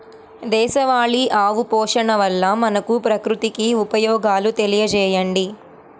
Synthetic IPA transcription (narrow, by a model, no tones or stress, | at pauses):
d̪ɛːʃɐʋaːɭiʔaːʋupɔːʂɐɳɐʋɐlːɐmɐnɐkupɾɐkɾut̪ikiupɐjɔːɡaːlut̪elijɐt͡ʃɛːjɐɳɖi